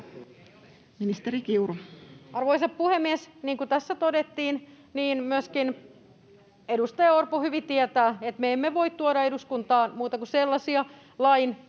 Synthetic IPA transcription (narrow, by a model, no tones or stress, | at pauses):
minist̪eɾikiuroɑrʋoisɑppuhemːiɛsniːŋkut̪æsːæt̪odet̪ːiːn | niːnmyøskin | edust̪ɑjɑorpohyʋit̪iɛt̪æːet̪meemːeʋoit̪t̪uoɾɑeduskunt̪ɑːnmuːt̪ɑkuselːɑsiɑ | lɑin